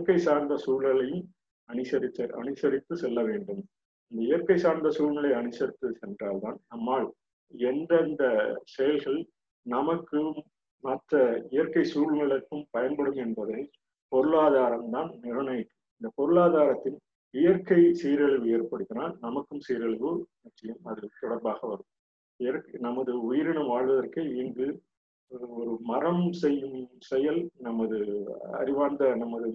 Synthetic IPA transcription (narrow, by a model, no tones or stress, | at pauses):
ɪjɐkɐɪsaːɾnd̪ɐsuːɭɐɭɐjɯm | ɐnɯsɐɾɪt̪ːɐɾɐ̰nɯsɐɾɪt̪ːɯsɛlːɐʋeːɳɖɯm | ɪnd̪ɐɪjɐɾkɐɪsaːɾnd̪ɐsuːɻmɐɭɐɪɐnɯsɐɾɪt̪ːɯsɛndraːlt̪aːnnɐmːaːɭ | ɛndrɐnd̪ɐsɛjɐlɣɐɭ | nɐmɐkːɯmː | ɐt̪ːɐɪjɐɾkɐɪsuːɭmɐɭɐkːɯmpɐjɐnbɐɽɯmɛnbɐðɐɪ | pɔɾɯɭaːðaːɾɐmt̪aːnnɪɾɐɳɐjɪkːɯmɪnd̪ɐpɔɾɯɭaːðaːɾɐt̪ːɪn | ɪjɐɾkɐɪsɛjɾɐɭɯʋɛjɛrpɐɽɯt̪ːɪnaːnnɐmɐkːɯmsɛjɾɐɭɯʋɯnɐʈt͡ʃːɐjɯmɐðɯt̪ɔɽɐɾbaːɣɐʋɐɾɯm | ɪjɐɾknɐmːɐðɯʊjɪɾɪɳɐmʋaːɻʋɐðɐrkɯeiŋɡɯ | ɔɾɯmɐrɐmsɛjːɯmsɛjɐlnɐmːɐðɯɐ̰ɾɪʋaːnd̪ɐnɐmːɐðɯ